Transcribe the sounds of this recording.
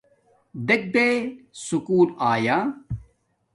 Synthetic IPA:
d̪ek̚d̪eːsukuːlaːjaː

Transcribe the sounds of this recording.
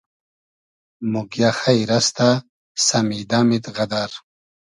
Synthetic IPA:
muɡjaxajɾast̪a | samid̪aːmid̪ʁad̪aɾ

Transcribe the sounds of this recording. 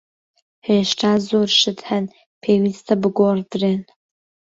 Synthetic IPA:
heːʃtʰaːzoːrʃɨdħɐn | pʰeːwiːst̪ʰɐbɨɡʷoːrd̪ɨreːn

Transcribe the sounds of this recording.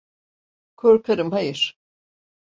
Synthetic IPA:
kʰoɾkʰaɾɯmɦajɯɾ̥

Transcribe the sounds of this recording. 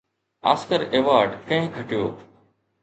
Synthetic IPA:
a̰ːskəɾeːʋaːɾɖkɐ̃ɦɪ̃ɡʱəʈɪjo̰ː

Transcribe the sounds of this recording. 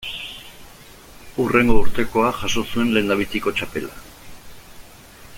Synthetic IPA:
ure̞ŋɡo̞uɾt̪e̞ko̞aʝaso̞sue̞nle̞ːnd̪aβit͡s̪iko̞t͡ʃape̞la̰

